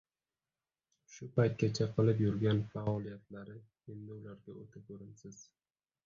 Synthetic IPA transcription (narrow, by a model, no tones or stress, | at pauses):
ʃʊpajt̪̚kʲat͡ʃʰaqʰɨlˠɪpjʊɾɡʲanfaɒlˠijat̪laɾɪ | e̞nd̪ɪʊlaɾɡʲaot̪ʰɪkʰɵɾɪnsɪz̥